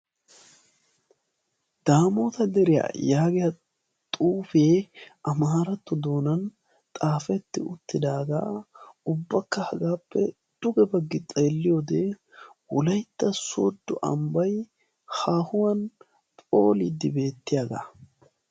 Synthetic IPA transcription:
d̪̥aːmoːt̪ɐd̪ɛɾɪja̰jaːɡɪjɐ | t̪ʼuːfeːʔɐmaːɾɐt̪ːɔd̪o̞ːnɐn | t̪ʼaːfɛt̪ːɪʊt̪ːɪd̪aːɡa̰ːʊbːɐkːɐhɐɡaːpːɛ̰ | d̪̥ʊɡɛbɐɡːɪt͡sʼeːlːɪjoːd̪ɛ | wɔlɐjt̪ːɐso̰d̪ːʊʔɐ̰mbɐj | haːhʊwɐn | pʼo̰ːlɪd̪ːɪbe̞ːt̪ːɪjaːɡa̰

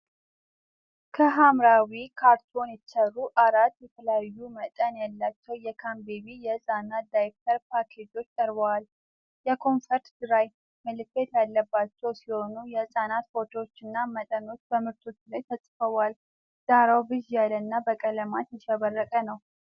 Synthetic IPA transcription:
kʰəɦamɾawikʰaɾt̪ʰo̞njɛt̪t͡ʃɛrːuʔaɾat̪ːjɛt̪ʰələjajːumət̪ʼənjalːat͡ʃːɛwjɛkʰambeβijɛzʼanat̪̚d̪ajek̚t̪ʰəɾpʰakʰe̞d͡ʒo̞t͡ʃːt̪ʼəɾbəwal | jɛkʰo̞nfəɾt̪d̪̥ɨɾaj | mɨlɨkːet̪jalːəbːat͡ʃːɛwsɨləho̞nujɛzʼanat̪fo̞t̪ʰot͡ʃːɨnːamət̪ʼəno̞t͡ʃːbəmɨɾt̪ʰo̞t͡ʃːlajt̪ʰəsʼfəwal | z̥aɾawbɨʒjalənːabəkʼələmat̪jɛʃɛβərːəkʼənəw

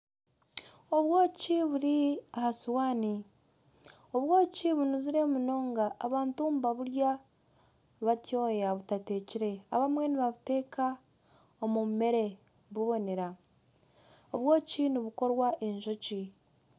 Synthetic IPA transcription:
o̞βwo̞ːciβuɾiahasuwaːni | o̞βwo̞ːciβunuziɾe̞muno̞ːŋɡaːβaːntumbaβuɾja | βatjo̞ːjaβutate̞ːciɾe̞aβamwe̞niβaβute̞ːka | omume̞ɾe̞ | βuβo̞ne̞ɾa | oβwo̞ːciniβuko̞ɾwaʔeɲʒo̞ci

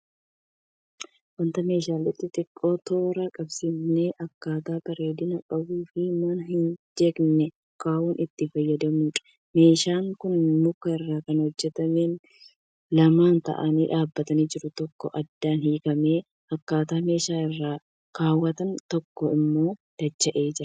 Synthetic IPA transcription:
wɐnt̪ɐme̞ːʃaːlɪt̪ːɪt̪ʼɪkʼːo̞ːt̪o̞ːɾɐkʼɐbsiːfneʔɐkːaːt̪aːbɐɾeːd̪ɪnɐkʼɐbuːfɪmɐnɐhɪnd͡ʒeɡnɛ | kaːʔuːnɪt̪ːɪfɐjːɐd̪ɐmuːᶑɐ̥ | me̞ːʃaːŋkʊnmʊkːɐɪrːaːkɐnhɔd͡ʒːɛt̪ɐmeːn | lɐmaːnt̪ɐ̰ʔɐniːᶑaːbːɐt̪ɐniːd͡ʒɪɾʊt̪ɔkːɔʔɐd̪ːaːnhiːkɐmeː | ɐkːaːt̪aːme̞ːʃaːɪrːaː | kaːwːɐt̪ɐnt̪ɔkːɔɪmːo̞ːd̪̥ɐt͡ʃːɐʔe̞ːd͡ʒɪɾɐ

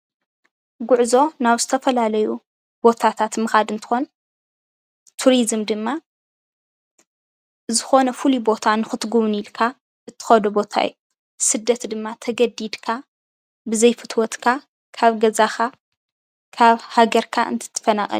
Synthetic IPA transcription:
ɡʊʕzo̞naβzɨt̪ʰɐfɐlalɐju | b̥o̞t̪ʰat̪ʰat̪mɨxad̪ɨnt̪ʰɨ̥xo̞n | t̪ʰuɾizmd̪ɨmːa | zɨxo̞nɐfulubo̞t̪ʰanɨxɨt̪ɡuβnilkʰa | ʔɨt̪ʰːɨ̥xɐd̪ubo̞t̪ʰa̰j̰u | sɨd̪ːɐt̪d̪ɨmːat̪ʰɐɡɐd̪id̪kʰa | bɨzɐjfɨt̪ʰwɔt̪kʰa | kʰaβɡɐzaxa | kʰaβhaɡɐɾkʰaʔɨ̰nt̪ʰɨ̥t̪ʰːɐ̥fɐnaxʼɐ̰l

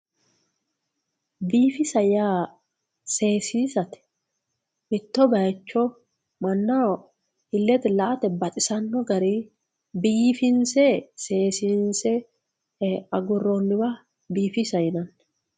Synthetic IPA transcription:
biːfɪsɐjaː | seːsiːsɐt̪ɪ̥ | mɪt̪ːɔbɐjt͡ʃːɔ | mɐnːa | hɪlːɛt̪ɪlɐʔɐt̪ɛbɐt̪ʼɪsɐnːɔɡɐɾiː | biːfɪnsɛseːsinsɛ | ɐɡʊrːonːɪwa | biːfisɐjɪnɐn

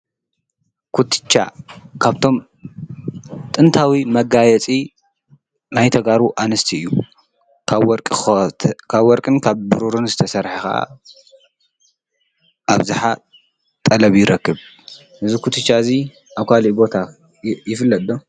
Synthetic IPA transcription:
kʰut̪ʰt͡ʃːa̰kʰaβt̪ʰo̞m | t̪ʼɨnt̪ʰawimɐɡajɛt͡sʼi | najt̪ʰɐɡaɾuʔanɨst̪ʰiɨjːu | kʰɾkʼ | kʰaβwɔɾkʼɨnkʰaβbɨɾuɾunzɨt̪ʰɐsɐɾħaxɐʔa̰ | ʔaβzɨħa | t̪ʼɐlɐβjɪɾɐkːɨβ | ʔɨzikʰut̪ʰɨt͡ʃːaɨzi | ʔaβkʰalibo̞t̪ʰa | jɪfɨlːɐt̪ʼdo

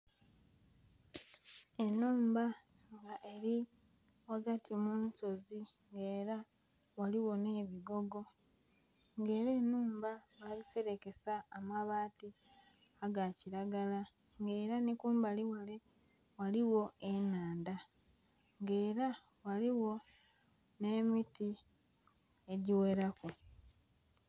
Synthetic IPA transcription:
e̞nuːmba | ŋɡaʔe̞ɾi | waɡatʰimuːnso̞ziŋɡe̞ːɾa | waliwo̞ne̞ːβiɡo̞ɡo̞ | ŋɡe̞ːɾeːnuːmbaβalise̞ɾe̞ke̞saːmaβaːti | aɡaciɾaɡala | ŋɡe̞ːɾanikuːmbaliwale | waliwo̞enaːnda | ŋɡe̞ːɾa | waliwo̞ | ne̞ːmiti | e̞ɟiwe̞ɾaku

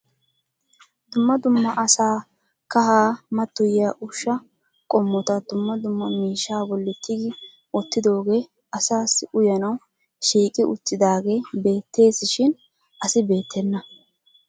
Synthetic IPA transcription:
d̪ʊmːɐd̪ʊmːɐʔɐsaː | kɐhaːmɐt̪ːʊjɪjaʔʊʃːɐ | kʼɔmːɔt̪ɐd̪ʊmːɐd̪ʊmːɐmiːʃːaːbɔlːɪt̪ʰːɪɡɪ | ɔt̪ːɪd̪o̞ːɡe̞ː | ɐsaːsːɪʔʊjɐnɐw | ʃiːkʼɪʔʊ̰t͡sːɪd̪aːɡe̞ːbe̞ːt̪ʰːe̞ːsɪʃɪn | ʔɐsɪbe̞ːt̪ʰːɛnːɐ

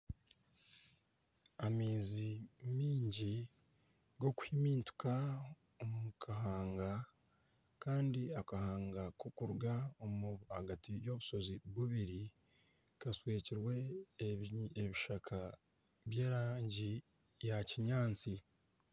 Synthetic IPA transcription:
amiːzimiːɲɟi | ɡo̞ku̥himiːntu̥ka | omukaɦaːŋɡa | kaːndiakahaːŋɡakokuɾɡaomuaɡatijo̞βuso̞ziβuβiɾi | kasweːciɾwe̞ | eβiʃakʰa | βje̞ːɾaːɲɟi | jaciɲaːnt͡si

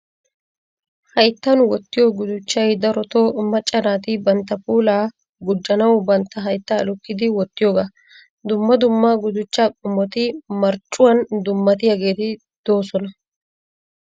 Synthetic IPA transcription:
hɐjt̪ːɐnwɔt̪ːɪjoːɡʊd̪ʊt͡ʃːɐjd̪ɐɾɔt̪oːmɐt͡ʃʼːɐnaːt̪ɪbɐnt̪ːɐpuːlaː | ɡʊd͡ʒːɐnɐwbɐnt̪ːɐɦɐjt̪ːaɐlʊkːɪd̪ɪwɔt̪ːɪjoːɡa | d̪ʊmːɐd̪ʊmːaːɡʊd̪ʊt͡ʃːaːkʼʊmːɔt̪ɪmɐɾt͡ʃʼːʊwɐnd̪ʊmːɐt̪ɪjɐɡe̞ːt̪ɪ | d̪̥o̞ːsɔnɐ

